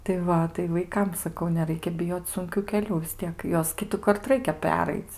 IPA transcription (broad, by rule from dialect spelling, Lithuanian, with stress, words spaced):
tɐɪ ˈʋɐ tɐɪ ʋɐɪˈkɐm sɐˈkɐʊ nʲɛˈrɐɪkʲɛ bʲɪˈjoːt͡s sʊŋʲˈkʲuː kʲɛˈlʲuː ʋʲɪs ˈtʲiɛk ˈjuɔs ˈkʲɪtʊkɐrt ˈrɐɪkʲɛ ˈpʲæːrɐɪt͡s